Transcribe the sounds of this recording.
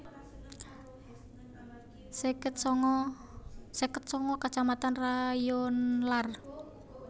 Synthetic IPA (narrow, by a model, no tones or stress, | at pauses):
skə | sɛkət̪̚sɔŋɔkat͡ʃamat̪anrajonlar